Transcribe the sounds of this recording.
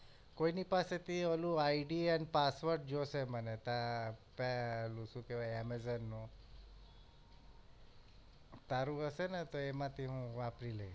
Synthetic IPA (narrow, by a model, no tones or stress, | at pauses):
koinipaset̪ʰiəlũaiɖiɛnpasʋəɾʈ̚d͡ʒosemənet̪apɛəlũʃũkeʋajɛmezənːũ | t̪aɾũɦəsenet̪oemãt̪ʰiɦũʋapɾilej